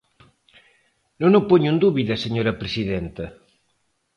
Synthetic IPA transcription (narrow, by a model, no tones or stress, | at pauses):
nõnopoɲund̪uβiðɐseɲoɾɐpɾesiðent̪ɐ